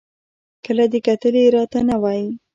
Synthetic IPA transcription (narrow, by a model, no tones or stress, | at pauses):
kəlad̪əkat̪əleɾɑt̪anawɑji